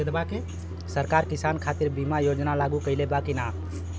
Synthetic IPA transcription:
ed̪bake | səɾkaɾkisankʰat̪iɾbimajod͡ʒnalaɡukəɪlebakina

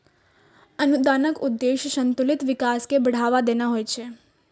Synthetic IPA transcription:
ənud̪anəkud̪ːeʃʃənt̪ulit̪ʋikaskebəɽ̤aʋad̪enaɦojt͡ʃʰe

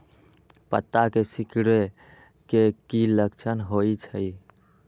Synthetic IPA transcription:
pə̰t̪ːakesɪkɽe | kekiləkt͡ʃʰənɦoit͡ʃʰəi

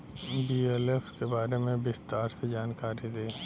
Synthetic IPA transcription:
biːɛlefkebaːɾemẽbɪst̪aːɾsed͡ʒaːnkaːɾid̪eː

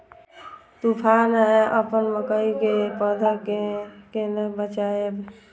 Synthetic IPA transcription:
t̪upʰanɦeʔəpənməkəikepəd̪ʱəkekenəbət͡ʃaeb

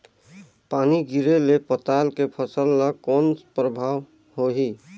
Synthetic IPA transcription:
paːniɡiɾelepət̪aːlkepʰəsəlːəkɔːnspɾəbʱaːʋ | ɦoɦi

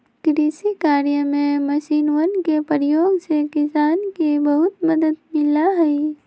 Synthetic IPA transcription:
kɾiːsikaːɾijəmẽmɐʃiːnʋənkepɾjoːɡsekɪsaːnkebəɦʊt̪məd̪əd̪mɪlaɦɛi

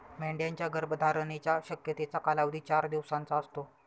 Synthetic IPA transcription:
mẽɳɖjaɲt͡ɕjaɡəɾbd̪ʱaɾnet͡ɕjaɕəkjət̪et͡sakalaʋd̪ʱiːt͡ɕaɾd̪iʋsãnt͡saəst̪o

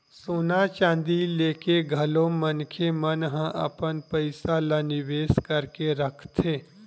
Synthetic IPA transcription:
soːnat͡ʃãːnd̪ileːkeɡʱɐlõmənkʰemənɦə̃ʔə̰pənpəɪsalanɪʋeːskəɾkeɾəkʰt̪ʰeː

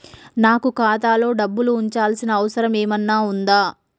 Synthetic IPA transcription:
naːkukaːt̪aːlo̞ːɖɐbːuluːɲt͡ʃaːlsinɐːʋɐsɐɾɐmeːmɐnːaːund̪aː

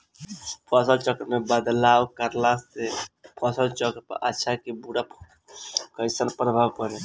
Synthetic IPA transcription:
pʰəsəlt͡ʃəkɾmebəd̪lawkəɾlasepʰɔsəlt͡ʃəkɾpə̰ɾʔətːʃʰakebuɽa | kəjsənpɾəbʱawkəɾe

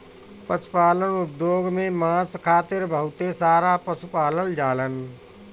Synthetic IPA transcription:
pəspaːlənʊp̚d̪oːɡmẽmãːskʰaːt̪ɪɾbʱəɦʊt̪esaːɾapəsupaːləld͡ʒaːlən

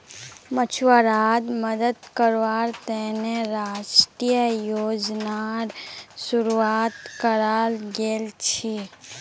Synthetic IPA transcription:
mət͡ʃʰʋəɾaːd̪məd̪əd̪kəɾʋaːɾt̪ɛːneɾaːʃʈijəjoːd͡ʒnaɾsʊɾuaːt̪kəɾaːlɡeːlt͡ʃʰi

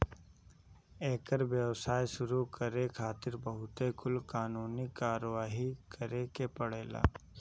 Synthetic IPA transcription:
eːkəɾʋjəwsaːjʃʊɾukəɾekʰaːt̪ɪɾbəɦʊt̪ekʰʊlkaːnuːnikaːɾəʋaːɦikəɾekepəɽeːla̰ː

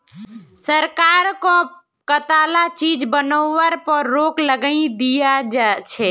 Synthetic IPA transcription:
səɾkaːɾkõ | kət̪aːlat͡ʃiːd͡ʒbənoːʋəɾpəɾːoːkləɡəĩd̪ijad͡ʒat͡ʃʰɛː

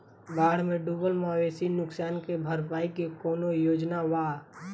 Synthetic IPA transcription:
baːɽ̤mẽɖuːbəlmaːʋeːsinʊksaːnkebʱəɾpaːikikɔːnojoːd͡ʒnaʋaː

